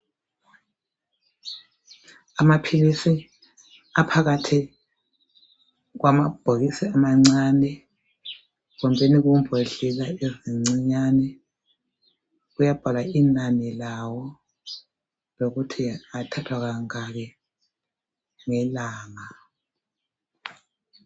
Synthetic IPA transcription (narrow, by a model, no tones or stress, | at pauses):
amapʰilisi | apʰaɣatʰi | ɣwamab̥ʱoɣisiamaŋ͡ǀaːnɛ | ɣɔmbʱeniɣumbʱeɬilaeziŋ͡ǀiɲanɛ | ɣujab̥ʱalainanilawɔ | loɣutʰiatʰatʰwaɣaŋaɣɛ | ŋɛlaːŋa